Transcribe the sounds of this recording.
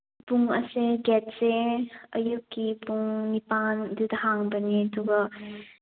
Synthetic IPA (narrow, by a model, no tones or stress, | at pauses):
puŋə̰seɡɛt̚seɐjukːipuŋnipandudɐhaŋbəniədɔɡɐ